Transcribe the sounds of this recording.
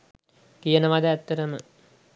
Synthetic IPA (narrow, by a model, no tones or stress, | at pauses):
kijənəʋad̪əæt̪ːəɾəmə